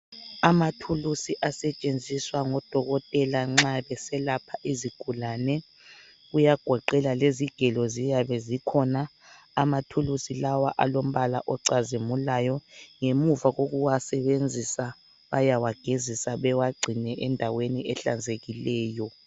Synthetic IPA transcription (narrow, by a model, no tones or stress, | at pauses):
amatʰulusiʔasɛt͡ʃʼend͡zʱiswaŋɔd̥ʱɔɣɔtʼɛlaŋ͡ǁaβɛsɛlapʰaʔiziɡ̥ʱulanɛ | ɣujaɡ̥ʱɔǃɛlaleziɡ̥ʱɛlɔzijaβɛzikʰɔnaː | matʰulusilawaʔalom̩βala̰ʔɔǀazimulajɔŋemuvaɣoɣuwasɛβend͡zʱisa | βajawaɡ̥ʱezisaβɛwaɡ͡ǀʱinɛʔɛndʱaweniɛɬa̰nd͡zʱeɣilɛːjɔ